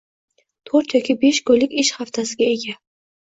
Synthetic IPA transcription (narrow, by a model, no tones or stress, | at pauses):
t̪ʰɵɾt̪jɒkʲʰibe̞ʃkʰɵlɪkʲɪʃhaft̪ʰasɪɡʲae̞ɡʲa